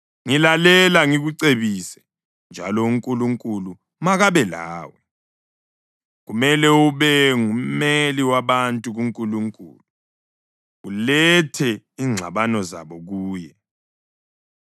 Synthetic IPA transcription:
ŋilalɛlaŋiɣuǀeβisɛ̥ | nd͡ʒʱa̰lɔuŋkʼuluŋkʼulu | maɣaβɛla̰ːwɔ | ɣumɛlɛuβɛŋum̩meliwaβantʼuɣuŋkʼuluŋkʼṵːlu | ulɛtʰɛiːŋ͡ǁʱaβanɔza̰βɔɣuːjɛ

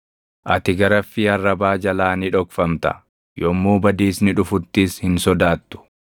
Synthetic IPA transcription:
ʔɐt̪ɪɡɐɾɐfːɪɐrːɐbaːd͡ʒɐlaːnɪᶑɔkfɐmt̪ɐ̰ | jɔmːuːbɐd̪iːsnɪᶑʊfʊt̪ːiːshɪnsɔd̪aːt̪ːʊ̥

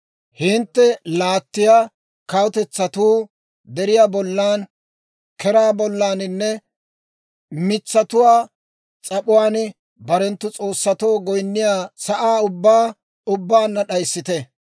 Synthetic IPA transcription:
hɪnt̪ːɛlaːt̪ːɪjaː | kɐwʊt̪ɛt͡sːɐt̪uː | d̪ɛɾɪjaːbɔlːaːn | kɛɾaːbɔlːaːnɪnːɛ | mɪt͡sːɐt̪ʊwaː | t͡sʼɐpʊwaːn | bɐɾɛnt̪ːʊt͡sʼo̞ːsːɐt̪o̞ːɡɔjnːɪjaːsɐʔaːʊbːaː | ʊbːaːnːɐɗɐjsːɪt̪ɛ

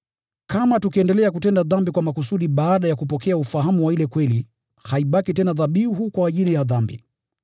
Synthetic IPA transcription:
kamatukiɛndɛlɛakutɛndaðambikwamakusuɗiɓaːɗajakupɔkɛaufaɦamuwailɛkwɛli | haiɓakitɛnaðaɓiɦukwaːʄilijaðambḭ

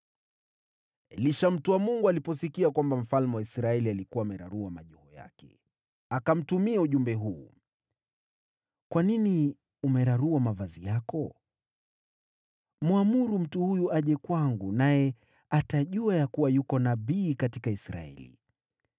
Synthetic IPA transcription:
ɛliʃam̩tuwamuŋɡualipɔsikiakwambam̩falmɛwaisɾaɛlialikuwaːmɛɾa̰ɾuamaʄuhɔja̰kɛ̰ | akam̩tumiauʄumbɛɦuː | kwanini | umɛɾaɾuamavazijakɔ | mwamuɾum̩tuhujuʔaʄɛkwaŋɡunajɛ | ataʄuajakuwajukɔnaɓiːkatikaisɾa̰ɛ̰lḭ

